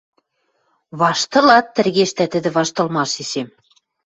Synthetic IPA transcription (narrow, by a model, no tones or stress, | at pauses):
βɑʃt̪ɤ̆lɑt̪ːɘ̆rɣeʃt̪æt̪ɘ̆d̪ɘ̆βɑʃt̪ɤ̆lmɑʃesem